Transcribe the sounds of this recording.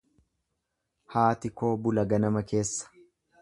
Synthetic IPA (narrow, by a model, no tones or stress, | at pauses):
haːt̪ɪko̞ːbʊlɐɡɐnɐmɐke̞ːsːɐ̥